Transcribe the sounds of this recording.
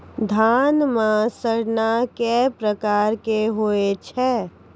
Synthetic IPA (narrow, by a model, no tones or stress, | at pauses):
d̪ʱaːnmãsəɽnakɛpɾəkaːɾkeɦoːet͡ʃʰɛː